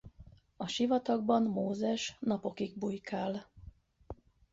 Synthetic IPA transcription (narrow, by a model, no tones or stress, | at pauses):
ɒʃivɒt̪ɒɡ̚bɒnmoːzɛʃnɒpo̞kiɡ̚bujkaːl